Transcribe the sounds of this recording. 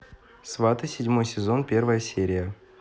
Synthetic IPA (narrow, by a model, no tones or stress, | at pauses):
svat̪ɨsʲɪdʲmo̞jsʲɪzo̞npʲe̞rvəjəsʲeɾʲɪjə